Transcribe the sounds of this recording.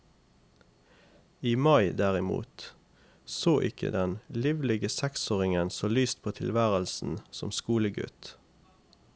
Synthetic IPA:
iːmɑɪd̪æːʁɪmṵːt̪ | soːʔɪkʰə̰d̪ɛnliːʋlɪɡəsɛksoːʁɪŋənsoːlyːst̪̚pʰoːt̪ʰɪlʋæːʁəlsn̩sɔ̰mskuːləɡʉ̰t̪

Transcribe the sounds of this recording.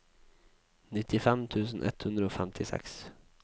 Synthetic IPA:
nɪt̪ːɪfɛmt̪ʰʉ̟ːs̬ənʔɛ̰t̪hɵnd̪ɾəoːfɛmt̪ʰɪsɛ̰ks

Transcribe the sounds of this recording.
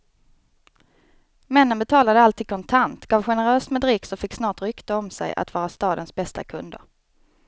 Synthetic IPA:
mɛnːənbɛt̪ʰɑːlad̪əalt̪iːd̪̥̚kʰɔnt̪ʰant̪ɡ̥ɑːvɧɛnəɾøːsmɛd̪ɾɪksɔfɪkːsnɑːʈɾʏkt̪əɔmsɛ̰jʔa̰t̪vɑːɾast̪ɑːd̪ənsbɛst̪a̰kʰɵnd̪ə̰ɾ

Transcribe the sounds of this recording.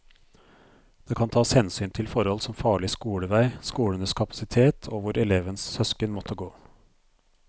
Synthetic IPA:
d̪̥eːkʰɑnt̪ʰɑːshɛnsyːnt̪ʰɪlfɔɾhɔlsɔmfɑːɭɪskuːɽəʋæɪskuːlənəskʰɑpɑ̥sɪt̪ʰeːt̪ʰoːʋʊɾɛleːʋənssœskənmɔt̪ʰːəɡoː

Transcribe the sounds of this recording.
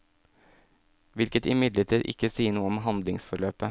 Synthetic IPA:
ʋɪlkət̪ɪmɪd̪ləʈ̪ʰiːd̪ʔɪ̰kːəsiːənuːəɔmɦɑnd̪lɪŋsfɔɾɭøːpə

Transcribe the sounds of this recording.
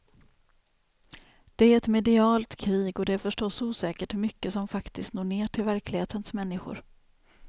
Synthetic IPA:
d̪̥ɛæɾɛt̪mɛd̪ɪɑːlt̪kʰɾiːɡɔd̪ɛæɾfœʂʈɔsːuːsɛːkəʈmʏkːəsɔmfakt̪ɪst̪noːɳeːʈʰɪlvæɾklɪɡheːt̪ənsmɛnːɪɧʊ̰ɾ

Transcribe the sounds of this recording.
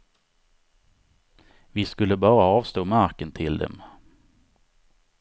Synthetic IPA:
vɪskɵlːəbɑːɾaɑːvst̪oːmaɾkənt̪ʰɪld̪ɛ̰m

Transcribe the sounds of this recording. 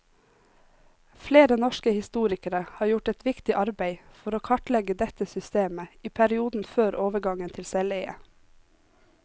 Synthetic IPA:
fleːɾənɔʃkəhɪst̪uːɾɪkəɾəhɑːɾjʊʈɛt̪ʋɪkt̪ɪʔɑɾbeɪfɔɾoːkʰɑʈlɛɡəd̪ɛt̪əsʏst̪eːməiːpʰæɾɪuːd̪n̩føːɾʔoːʋəɡɑŋənt̪ʰɪlsɛleɪə̰

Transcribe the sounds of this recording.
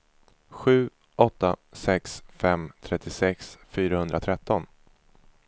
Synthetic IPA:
ɧʉ̟ː | ʔɔt̪ːasɛksfɛmt̪ʰɾɛt̪ʰːɪsɛksfyːɾahɵnd̪ɾʔat̪ʰɾɛt̪ːɔn

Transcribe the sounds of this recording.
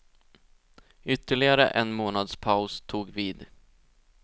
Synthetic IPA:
ʏt̪ːəɭɪɡaɾə̰ʔɛnmoːnad̪spʰaʊst̪ʰuːɡviːd̪

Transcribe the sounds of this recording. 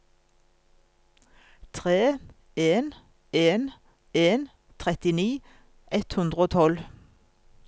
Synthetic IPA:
t̪ʰʁeː | eːn | eːn | eːn | t̪ʰʁɛt̪ɪniː | ʔɛt̪hʉnd̪ʁəoːt̪ʰɔl

